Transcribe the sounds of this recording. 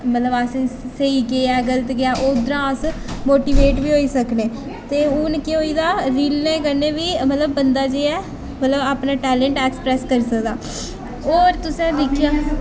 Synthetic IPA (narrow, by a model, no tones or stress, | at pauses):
mət̪ləbasseiːkeɛːɡələt̪ɡɪaːʔoːd̪əɾãːəsmoːʈiːʋeːʈbiːɦoːiːsəkneː | t̪eːʊnkɪɦoːiːd̪aːɾiːlneːkəɾneːʋiːmət̪ləbːənd̪aːd͡ʒeːɛː | mət̪ləbaːpnaːʈɛːlɛ̃ɳʈɛːksə̥pɾɛːskəɾsəkd̪aː | oːɾt̪ʊsɛ̃ːd̪ɪkʰːjãː